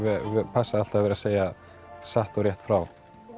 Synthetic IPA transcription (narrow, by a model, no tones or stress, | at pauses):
vɛvɛpʰasaal̥t̪avɛːɾaseːja | saht̪ɔwɾjɛht̪fɾaw